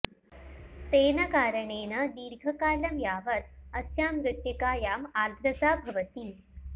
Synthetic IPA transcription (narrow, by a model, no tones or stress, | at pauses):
t̪eːnəkaːɾəɳeːnəd̪iːɾɡʱəkaːlɐmjaːʋət̪̚əsjaːmɾut̪jikaːjaːmaɾd̪ʱɾɐt̪aːbʱɐʋət̪iː